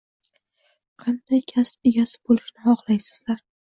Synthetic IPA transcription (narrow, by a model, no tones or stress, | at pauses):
qʰɑnd̪̥ajkʲʰaspeɡʲasɪ̥bolɪʃnɪhɒχlˠajsɪ̥z̥laɾ